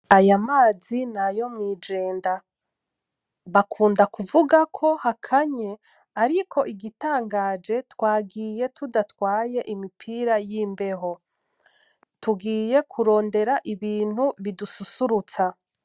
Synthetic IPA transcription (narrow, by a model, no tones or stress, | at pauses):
ajamaːzinajo̞mŋiːd͡ʒe̞ːnda | βakʰuːndakuvuɡakʰo̞hakʰaɲe̞ | aɾikʰo̞ʔiɡitaːŋɡaːd͡ʒe̞twaːɡiːje̞tʰudatwaːje̞ʔimipʰiːɾajiːmbe̞ɦo̞ | tuɡiːje̞kʰuɾo̞ːnde̞ɾaʔiβiːn̥huβidususuɾut͡sa